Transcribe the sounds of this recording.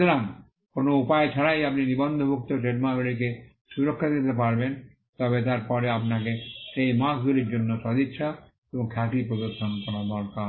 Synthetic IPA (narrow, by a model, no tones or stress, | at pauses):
oɾaŋ | konoupaet͡ɕʰaɽajap̚ninibɔnd̪ʱobʱuk̚t̪oʈɾeʈmaɡoɽik̬e | ʃuɾokʰːad̪it̪̬epaɾben | t̪ɔbet̪̬aɾpɔɾeapnakeʃejmãsɡ̪uliɾd͡ʑonːoʃod̪it̪ːʃʰa | eboŋkʰakɾipɾod̪oɾʃonkɔɾad̪ɔɾka